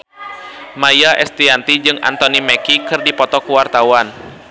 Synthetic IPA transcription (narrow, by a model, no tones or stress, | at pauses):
majaʔɛst̪iant̪id͡ʒɨŋʔa̰nt̪ɔnimɛkikɨrdipɔt̪ɔkuwart̪awan